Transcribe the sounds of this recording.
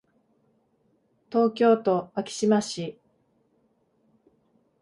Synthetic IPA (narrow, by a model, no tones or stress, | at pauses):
t̪o̞ːkʲo̞ːt̪o̞akʲi̥ɕimaɕi